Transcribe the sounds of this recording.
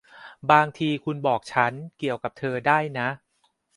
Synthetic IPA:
baː˧ŋt̪ʰiː˧kʰu˧nbɔː˨˩k̚t͡ɕʰa˦˥nki˨˩əwka˨˩p̚t̪ʰɤː˧daː˥˩jna˦˥ʔ

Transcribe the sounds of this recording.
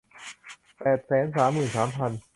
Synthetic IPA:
pɛː˨˩t̪̚sɛː˩˦nsaː˩˦mːɯː˨˩nsaː˩˦mpʰa˧n

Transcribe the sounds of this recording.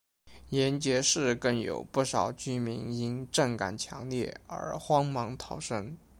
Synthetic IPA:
jɛ˧˥nt͡ɕjɛ˧˥ʂɻ̩˥˧kə˥˩ŋjo̰˨˩ʊpu˥˩ʂɑ˨˩ʊt͡ɕy˥mi˧˥ŋi˥nʈ͡ʂɤ˥˩ŋka̰˨˩nt͡ɕʰjɑ̰˧˥ŋljɛ˥˩ə̰˞˧˥xwɑ˥ŋmɑ˧˥ŋt̪ʰɑ˨˩ʊʂɤə˥ŋ

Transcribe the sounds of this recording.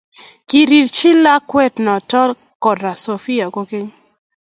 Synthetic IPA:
ki˦ɾi˨ɾt͡ʃi˦la˦kwɛ˦tnɔ˨tɔ˦l | kɔ˨da˨so˨fi˦ja˨ko˦ke˦ɲ

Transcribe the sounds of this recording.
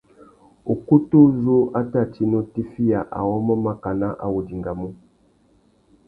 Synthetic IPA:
u˨ku˦tu˦zu˦a˦ta˦˨ti˦no˦ti˦fi˦ja˨ʔa̰˨wɔ˦mɔ˦ma˦ka˨na˦ʔa̰˨wu˨di˨ŋɡa˨mu˦

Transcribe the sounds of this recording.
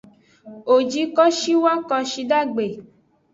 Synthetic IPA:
o˨d͡ʒi˧kɔ˦ʃi˦wa˦kɔ˧ʃi˧da˦˨ɡ͡be˨

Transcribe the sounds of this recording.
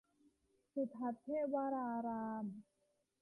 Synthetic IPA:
su˨˩t̪ʰa˨˦t̪̚ʰːeː˥˩waː˧ɾaː˧ɾaː˧m

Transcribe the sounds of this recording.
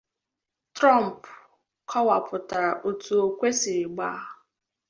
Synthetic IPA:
tɾɔ˦m̩˨p | kʰɔ˦wa˨pʰʊ˨ta˨ɾa˨ʔo˨tu˨o˨kʷe˦sɪ˨ɪ˨ɡ͡ba˦˨

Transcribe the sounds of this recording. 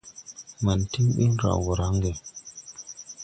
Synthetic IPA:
ma˨n˨ti˦ŋɓḭ˦n˦ɾa̰˨wo˨ɾa˨˦ŋ˦ɡe˨

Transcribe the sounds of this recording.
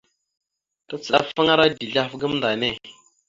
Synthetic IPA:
ta˦t͡sə˨ɗa̰˦fa˦ŋa˦ɾa˦di˨ɮa˦fɡə˦mnda˨ne˦˨

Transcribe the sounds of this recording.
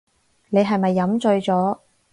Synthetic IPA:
ne˨˧jɦɐ˨jmɐ˨jːɐ˨˥mt͡sɵ˧ɥt͡sɔː˨˥

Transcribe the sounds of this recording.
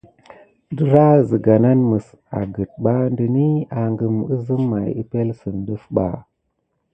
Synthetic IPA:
dɨ˨ɾa˦zɨ˨ɡa˨na˦nmə˨s | a̰˨ɡə˨t̚ɓa˦ndɨ˨ni˦a˨ŋɡɨ˨mɨ˦zɨ˦mːa˨ji˦pe˦lsɨ˨nɗɨ˦fɓa̰˨

